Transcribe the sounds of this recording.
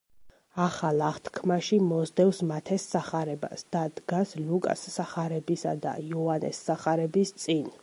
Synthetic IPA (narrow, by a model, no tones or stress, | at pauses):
aχalˠaχt̪ʰkʰmaʃimɔzd̪ɛvsmat̪ʰɛsːaχaɾɛba̰sd̪̥ad̪ɡaslukʼa̰sːaχaɾɛbisa̰d̪a̰jɔanɛ̰sːaχaɾɛbist̪sʼin